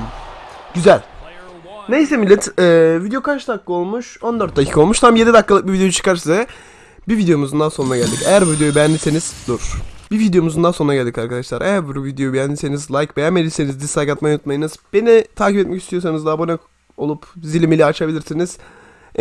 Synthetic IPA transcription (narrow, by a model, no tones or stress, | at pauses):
ɟyzælʲ | nejsɛmilʲːɛt̪ɛːvid̪ejo̞kʰat͡ʃt̪ʰaklˠɯo̞lˠmuʃo̞nd̪øɾt̪̚d̪ecʰi̥kʰo̞lˠmuʃt̪ʰamje̞d̪id̪akːalˠɯk̚bivid̪ejojut͡ʃʰɯ̥kaɾsizɛ | bivid̪ejo̞muzund̪anso̞nunaɟælʲd̪icejæɾvvid̪jo̞jubɛjænlʲise̞niz̥d̪oɾu̥bivid̪ejo̞muzund̪anso̞nɾaɟælʲd̪ikaɾkʰad̪aʃlˠaɾʔeæɾbuɾuvid̪jo̞jubɛjænlʲise̞nizlˠajkbejænmelʲiɾsenizd̪ist̪ʰajkat̪majnut̪majɯnɯz̥b̥e̞nit̪ʰaːcipɛt̪mɛcist̪ʰijo̞s̬anɯzd̪abunɛ | o̞lˠupzilʲimilʲɛat͡ʃʰabilʲiɾsiniz̥